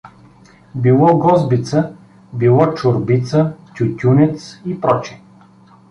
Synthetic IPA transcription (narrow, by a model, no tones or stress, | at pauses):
bilˠɔɡɔzbit̪sə | bilˠɔt͡ʃʊɾbit̪sət̪ʲʊtʲunʲɛt̪sipɾɔt͡ʃi̥